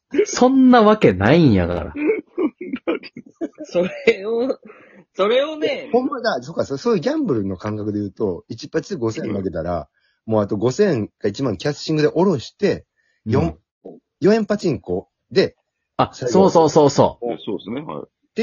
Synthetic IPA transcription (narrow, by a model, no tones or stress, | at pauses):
sõ̞nːaβake̞naĩja̰ka̰ɾa̰ | soɾeo | so̞ɾe̞onehõmːad̪aso̞kːasosoːjiɯ̟ɡʲãmbɯ̟ɾɯ̟no̞kãŋkakɯ̟d̪e̞jɯ̟ːt̪o̞it͡ɕi̥pːat͡ɕid̪ɡo̞sẽ̞nːaɡe̞t̪aɾa̰ | mo̞ːat̪o̞ɡo̞sẽ̞ŋkait͡ɕimãŋkʲasɕĩŋɡɯ̟d̪e̞ʔo̞ɾo̞ɕi̥t̪e̞ | jõm | jo̞ẽ̞mpat͡ɕĩŋko̞ | d̪e̞ | asasoːsoːsoːso̰ːsosnḛ | t̪e